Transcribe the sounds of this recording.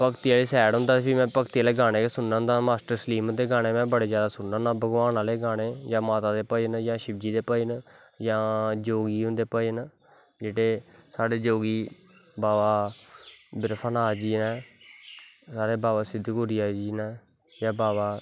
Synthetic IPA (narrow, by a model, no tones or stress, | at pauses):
pəkt̪iaːleːsɛːɽɦʊ̃nd̪aːpʰimɛ̃ːpəkt̪iːaːleːɡaːneːkesʊnːʊ̃nd̪aːmaːsʈəɾsəliːmd̪eːɡaːneːmɛ̃ːbəɽeːd͡ʒjaːd̪aːsʊnːnaːbəɡʋaːnaːleːɡaːneːjãːmaːt̪aːd̪eːpəənjãːʃɪbd͡ʒiːd̪eːpən | jãːd͡ʒoːɡiːɦʊ̃nd̪eːpəjən | d͡ʒeːɽeːsaːɽeːd͡ʒoːɡiː | baːʋaː | bɪɾpʰanaːd͡ʒiːnɛː | saːɾeːbaːʋaːsɪd̪ʱkʊɾijaːd͡ʒiːnɛː | jãːbaːʋaː